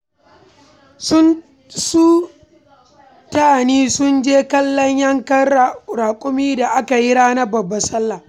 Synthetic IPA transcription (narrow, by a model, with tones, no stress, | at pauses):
sʊ˦n | su˦ | taː˦˨niː˦sʊ˦nd͡ʒeː˦kɐ˦lːɔ˦ɲjɐ˦ŋkɐ˦˨ɾaː˨kʷʼʊ˦miː˦da˨ʔa˦ka˨ji˦ɾaː˦na˦bɐ˨bːa˦sɐ˦lːa˨